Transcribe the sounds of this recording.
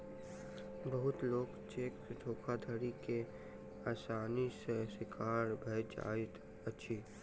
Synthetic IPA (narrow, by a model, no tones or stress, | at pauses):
bəɦʊt̪loːɡt͡ʃeːkd̪ʱoːkʰad̪ʱəɾike | aːsaːnisesɪkʰaːɾbʱeːd͡ʒa̰ːit̪ | ətːʃʰiː